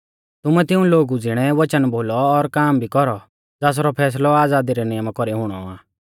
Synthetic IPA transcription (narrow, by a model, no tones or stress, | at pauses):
t̪ʊmɛt̪ɪũloːɡud͡zɪɽ̃ɛʋɐt͡ʃənbʱoːlɔːɾkaːmbʱikɔɾɔ | d͡zaːs̬ɾɔpʰɛːs̬lɔaːd͡zaːd̪iɾɛnɪjəmakɔɾiɦʊɽ̃ɔ̰ã̰ː